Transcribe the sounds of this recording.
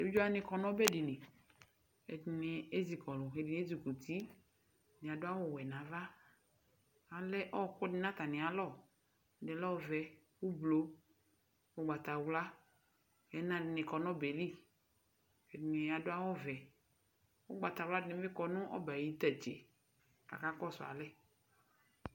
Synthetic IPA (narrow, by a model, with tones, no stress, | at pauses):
e˨bi˦d͡ʒɔ˦a˦nɪ̃˨kɔ˨nɔ̃˦bɛ˦dɪ˨nɪ̃˨ | e˨dnɪ˨e˦zi˨kɔ˨lʊ˨ɦe˨di˨n˦e˦zi˨ku˨t̪ʰi˦ | nɪ̃˨a˨dʊ˦a˦wɔ˦˨wɛ˨nã˨va˦ | a˨lɛ˦ʔɔ˦kʊ˦dɪ˦nã˦t̪a˨nɪ̃˨a˨lɔ˦˨ | nɪ˨lɔ˦˨vɛ˨ | wu˦blo˦ | wo˦ɡ͡ba˨t̪a˨wla˦ | hɛ˨˦nã˦˨ɪ˨nɪ˨kɔ˨nɔ̃˦be˨li˦˨ | he˨dnɪ˨a˨dʊ˦a˦wɔ˦vɛ˨ | wo˦ɡ͡ba˨t̪a˨wla˦dɪ˨nɪ˨˦bɪ˦kɔ˨nʊ̃˦ʔɔ̰˦ba˨ji˦t̪a˨t͡ʃḛ˨ | ka̰˨ka˦kɔ˦˨sʊ˨a̰˨lɛ˦